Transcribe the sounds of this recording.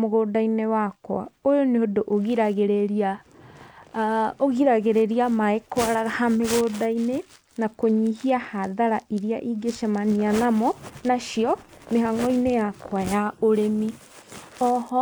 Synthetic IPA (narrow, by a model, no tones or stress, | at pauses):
moɣoːdainewakwa̰ojoneodoʔoɣiɾaɣeɾeɾia | oɣiɾaɣeɾeɾiamaekwaɾaɣahameɣoːdaine | nakoɲihiahaðaɾaʔiɾiaʔiɡeʃamanianamɔnaʃiɔ | meɦaŋɔinejakwajaoɾemi | ɔhɔ